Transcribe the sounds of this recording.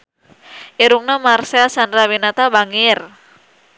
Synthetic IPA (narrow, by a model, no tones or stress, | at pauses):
ʔiɾuŋnamarseasanrawinat̪abaŋɪr